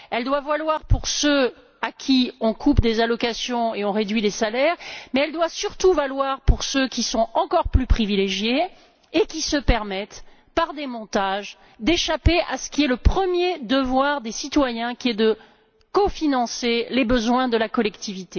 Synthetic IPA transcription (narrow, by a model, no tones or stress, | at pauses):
ɛld̪wavalwaʁpuʁsø | akʲʰiɔ̃kʰupd̪ezalɔkasjɔ̃eɔ̃ʁed̪ɥilesalɛʁmɛɛld̪wasyʁt̪uvalwaʁpuʁsøkʲisɔ̃ɑ̃kɔʁplypχivileʒjeː | kʲisəpɛʁmɛt̪ | paʁd̪emɔ̃t̪aʒ | d̪eʃapeʔasə̥kʲiɛləpχəmjed̪əvwaʁd̪esit̪wajɛ̃kʲiɛd̪ə | kɔfinɑ̃selebəzwɛ̃d̪əlakɔlɛkt̪ivit̪e